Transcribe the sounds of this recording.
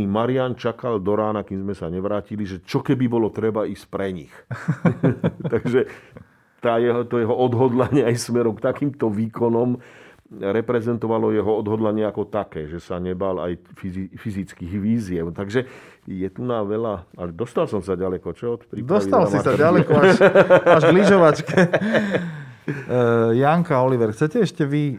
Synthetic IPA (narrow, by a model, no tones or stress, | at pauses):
imaɾiant͡ʃakald̪ɔɾaːnakimzmɛsaɲɛʋɾaːciliʒɛt͡ʃɔkɛbibɔlɔt̪ɾɛbaiscpɾɛɲix | t̪aɡʒɛ | t̪aːjɛɦt̪ɔjɛɦɔʔɔd̪ɦɔd̪laɲɪɛajsmɛɾɔmkt̪akiːmt̪ɔʋiːkɔnɔm | ɾɛpɾɛzɛnt̪ɔʋalɔjɛɦɔɔd̪ɦɔd̪laɲɪɛakɔt̪akɛːʒɛsaɲɛbala̰jfizifizit͡skiːɣʋiːzɪɛʊt̪aɡʒɛ | jɛt̪unaʋɛlaalɛd̪ɔst̪alsɔmsaɟalɛkɔt͡ʃɔɔt̪pɾid̪ɔsit̪alasmiaɛɾalɛkɔ | aʒliʒɔʋat͡ʃkɛ | jaŋkaɔliʋɛɾxt͡sɛcɛɛʃcɛʋi